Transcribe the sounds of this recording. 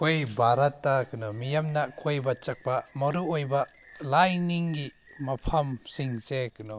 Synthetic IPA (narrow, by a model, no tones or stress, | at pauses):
kʰojbʱaɾɐtːakɯnɔmijamnɐkʰojbɐt͡ʃɐk̚pɐmɐɾuojbɐ | lajniŋɡi | mɐpʰɐmsiŋsekɯnɔ